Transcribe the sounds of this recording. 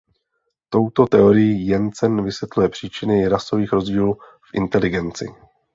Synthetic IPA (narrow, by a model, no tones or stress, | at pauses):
t̪o̞wt̪o̞t̪ɛo̞ɾɪjiːjɛnt͡sɛnvɪsvjɛt̪lujɛpr̝̥iːt͡ʃɪnɪɾaso̞viːxɾo̞zɟiːluː | fʔɪ̰nt̪ɛlɪɡɛnt͡sɪ̰